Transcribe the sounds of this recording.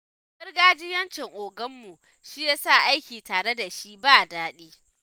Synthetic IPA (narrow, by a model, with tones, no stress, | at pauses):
bɪ˦rɡaː˦d͡ʒɪ˦jɐ˦nt͡ʃɛ˨ŋʔoː˨ɡɐ˦mːu˨ | ʃi˦jaː˦sa˦˨ʔa˦jkʲiː˨taː˨ɽe˦da˨ʃi˦ʔbaː˦˨daː˦ɗiː˦